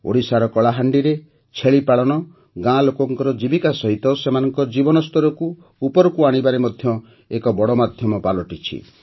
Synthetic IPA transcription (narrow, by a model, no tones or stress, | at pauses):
o̰ɽisaɾɔkɔɭaɦaɳɖiɾe | t͡ʃʰeɭipaɭɔɽ̃ɔ | ɡãlokɔŋkɔɾɔd͡ʒibikasɔɦit̪ɔsemanɔŋkɔd͡ʒibɔnɔst̪ʰɔɾɔkuː | pɔɾɔkuaɽ̃ibaɾemɔd̪ʱjɔ | ekɔbɔɽɔmad̪ʱjɔmɔpalɔʈit͡ʃʰḭ